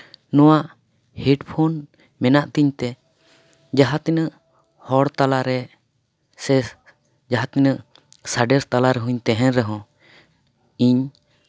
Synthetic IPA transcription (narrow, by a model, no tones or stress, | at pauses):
nɔwaʔ | hɛɖpʰon | mɛnaʔt̪iɲt̪ɛ | d͡ʒaɦat̪inəʔ | hɔɽt̪alaɾɛ | sɛ | d͡ʒaɦat̪inəʔ | saɖɛɾst̪alaɾɛɦũɲt̪ɛɦɛ̃nɾɛɦɔ̃ | iɲ